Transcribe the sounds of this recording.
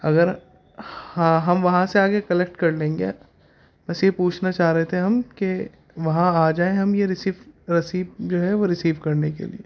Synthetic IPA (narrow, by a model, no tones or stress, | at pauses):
ɐɡəɾ | hãɦɐmʋɐɦãseaːɡekɐlek̚ʈkɐɾlẽːŋɡḛ | bɐsjepuːt͡ʃʰnat͡ʃaːɦɾɐɦet̪ʰeɦɐmke | ʋɐɦãaːd͡ʒaːẽɦɐmjeɾɪsiːʋɾɐsiːbd͡ʒoːɦɛʋoɾɪsiːʋkɐɾnekḛlḭḛː